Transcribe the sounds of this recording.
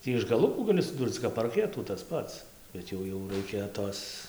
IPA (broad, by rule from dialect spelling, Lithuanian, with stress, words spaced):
ˈtʲiː ɪʃ ɡɐˈlˠʊkuː ˈɡɑːlʲɪ sʊˈduːrt͡s kɐp pɐrʲˈkʲæːtuː tɐs ˈpɐts bʲɛt ˈjɛʊ jɛʊ ˈrɐɪkʲɛ ˈtoːs